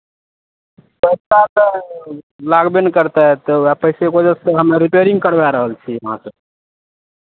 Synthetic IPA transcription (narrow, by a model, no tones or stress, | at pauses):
pəsat̪ə | laɡbenkəɾt̪ɛɦt̪ɔapəɦɪsekod͡ʒəsəɦəmeɾipeɾĩŋɡ̚kəɾbɛɾəɦəlt͡ʃʰiəɦã̰səb